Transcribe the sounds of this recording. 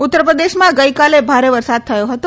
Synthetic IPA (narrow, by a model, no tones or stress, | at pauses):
ut̪ːəɾpɾəd̪eʃmãɡəjkalebʱaɾeʋəɾsad̪̚t̪ʰəjoɦət̪o